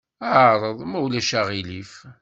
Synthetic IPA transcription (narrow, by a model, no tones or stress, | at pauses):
æʕɾˤəðˤmæwlæʃæʁilif